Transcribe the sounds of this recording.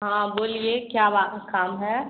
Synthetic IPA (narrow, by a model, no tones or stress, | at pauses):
ɦãːboːliekjaːbaːkaːmɦɛː